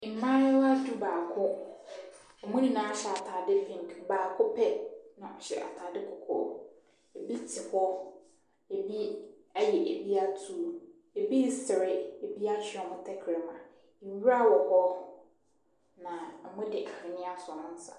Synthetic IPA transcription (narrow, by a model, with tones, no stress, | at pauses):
m̩˨mã˦ɾɪ˦wa˦du˦baː˨kʰʊ˦ | ɔ˨mũ˦di˨nãː˦a˨˦ɕɛ˨a˨tʰaː˨dɪ˦fĩ˨ŋ˨kbaː˨kʰʊ˦pʰɛ˦nã˨ɔ˨ɕɛ̰˨ʔa̰˨tʰaː˨dɪ˦kʰɔ˨kʰɔ̰˦ | e˨bi˦tʰɪ˨hɔ˦ | e˨bi˦a˦jɛ˨ʔe˨bi˦a˦tʰu˦˨˦ | e˨bi˦˨sɪ˨ɾɪ˦e˨bi˦a˦ɕᶣɪ˨ɔ˨mʊ̃˦tʰɛ˦kʰɾɪ˨mã˨ | wu˦ɾa˦wɔ˨hɔ˦ | nã˨ɔ˨mʊ̃˦dɪ˨ʔa˨hɪ˨nɪ̃˦a˦sʊ˨nʊ̃˦n̩˦sa̰˨